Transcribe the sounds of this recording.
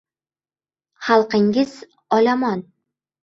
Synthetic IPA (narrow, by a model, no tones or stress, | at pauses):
χalˠqɘ̆ŋɡɘz | ɒlʲɑmɑn